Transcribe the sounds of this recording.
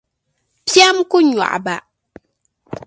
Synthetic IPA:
pi˦a˦m˦kʊ˦ɲa̰˨ʔba˨

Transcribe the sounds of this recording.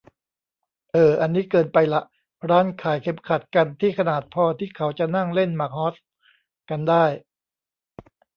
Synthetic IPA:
ʔɤː˧˩ʔa˧nːiː˦˥kɤː˧npa˧jla˦˥ʔ | ɾaː˦˥nkʰaː˨˩jkʰe˧˩˦mkʰa˨˩t̪̚ka˧nt̪ʰiː˥˩kʰa˧naː˨˩t̪̚pʰɔː˧t̪ʰiː˥˩kʰa˦˥wt͡ɕa˨˩na˥˩ŋle˥˩nmaː˧˩k̚hɔː˦˥t̪ | ka˧ndaː˥˩j

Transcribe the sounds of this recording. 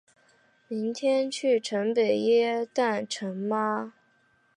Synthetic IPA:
mi˧˥ŋt̪ʰjɛ˥nt͡ɕʰy˥˩ʈ͡ʂʰə˧˥npe˨˩ɪjɛ˥t̪a˥˩nʈ͡ʂʰə˧˥nma˥

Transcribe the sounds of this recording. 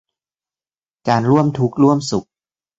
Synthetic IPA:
kaː˧nɾu˥˩əmt̪ʰu˦˥k̚ɾu˥˩əmsu˨˩k̚

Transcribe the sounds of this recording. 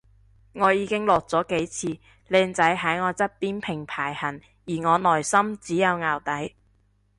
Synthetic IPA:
ŋɔː˨˧jiː˨˧kɪ˥ŋlɔː˨k̚t͡sɔː˨˥ke˨˥jt͡sʰiː˧ | lɛː˧ŋt͡sɐ˨˥jɦɐ˨˥jŋɔː˨˧t͡sɐ˥t̚piː˥npʰɪ˨˩ŋpʰaː˨˩jhɐ˨˩n | jiː˨˩ŋɔː˨˧nɔː˨˩jsɐ˥mt͡siː˨˥jɐ˨˧wŋaː˨˩wt̪ɐ˨˥j

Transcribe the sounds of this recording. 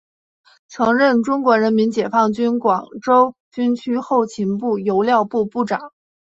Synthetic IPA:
t͡sʰɤ˧˥ŋɻə˥˩nʈ͡ʂʊ˥ŋkwɔ˧˥ɻə˧˥nmi˧˥nt͡ɕjɛ˨˩fɑ˥˩ŋt͡ɕy˥nkwɑ˨˩ŋʈ͡ʂo˥ʊ | t͡ɕy˥nt͡ɕʰy˥xo˥˩ʊt͡ɕʰi˧˥npu˥˩jo˧˥ʊljɑ˥˧ʊpu˥˧pu˥˩ʈ͡ʂɑ̰˨˩˦ŋ

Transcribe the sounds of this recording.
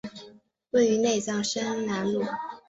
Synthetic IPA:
we˥˩ɪy˧˥ne˥˧ɪt͡sɑ˥˩ŋʂa˥nna˧˥nlu˥˩

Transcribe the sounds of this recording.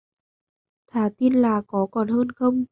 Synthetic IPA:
t̪ʰaː˧˨˩t̪i˧nlaː˨˩kɔ˨˦kɔ˨˩nhəː˧nxə˧wŋ͡m

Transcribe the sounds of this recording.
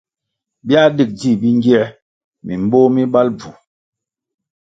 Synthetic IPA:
bja˦di˦˨k̚d͡ʒi˦˨bi˦ŋ˦ɡjɛ˦ | mḭ˨m˦bo˦mi˦ba˦lb͡vu˨

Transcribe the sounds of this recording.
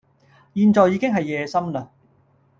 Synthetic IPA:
jiː˨nt͡sɔː˨jːiː˨˧kɪ˥ŋɦɐ˨jːɛː˨˧sɐ˥mlɐː˧

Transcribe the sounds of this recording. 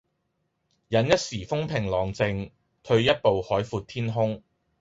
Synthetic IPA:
jɐ˨˥njɐ˥t̚siː˨˩fʊ˥ŋpʰɪ˨˩ŋlɔː˨˩ŋt͡sɪ˧ŋ | t̪ʰɵ˧ɥjɐ˥t̚po˨whɔː˨˥jfuː˧t̚t̪ʰiː˥nɦʊ˥ŋ

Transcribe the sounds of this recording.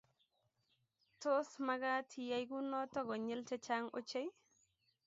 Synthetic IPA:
to˦sma˧ɡa˦tʰi˨ja˨jɡu˦nɔ˦tɔ˦ɡɔ˨ɲe˦lte˦t͡ʃa˦ŋo̰˦t͡ʃe˦j

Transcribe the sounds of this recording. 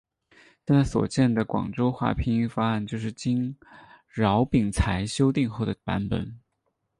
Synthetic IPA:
t̪a˥˩n˥˩swɔ̰˨˩t͡ɕjɛ˥˩nd̪ə˩kwɑ̰˨˩ŋʈ͡ʂo˥ʊxwa̰˥˩pʰi˧˥i˥˩fa˥a˥˩nt͡ɕjo˥˧ʊʂɻ̩˥˩t͡ɕi˥n | ɻɑ˧˥ʊpi˨˩ŋt͡sʰa˧˥ɪɕjo˥ʊt̪i˥˧ŋxo˥˩ʊd̪ə˩pa̰˧˥npə̰˨˩˦n

